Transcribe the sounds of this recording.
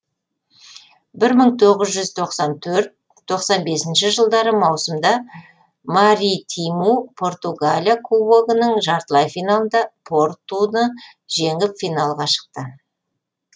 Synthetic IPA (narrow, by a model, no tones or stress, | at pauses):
bɪɾməɴt̪ʰo̞ʁəzʒʏzt̪ʰo̞qsɑnt̪ʰɵɾt̪̚ʰː | o̞qsɑnbe̞sɪnʃɪʒəlˠd̪ɑɾəmɑwsəmd̪ɑ | maɾʲijt̪ʰijmupʰo̞rt̪uɡalʲjakʰuwoɡənəɴʒɑɾt̪lˠɑjfijnalˠənd̪ɑpʰo̞ɾt̪ːunə | ʒeŋɪpfijnɑlˠʁɑʃə̥q̚t̪ə